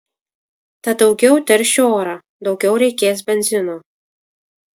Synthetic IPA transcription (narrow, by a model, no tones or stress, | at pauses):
t̪ɐd̪ɒʊɡʲɛʊt̪ʲɛɾʲʃʲoːɾɑ | d̪ɒʊɡʲɛʊɾʲɛɪkʲeːs̬bʲɛnʲzʲɪnoː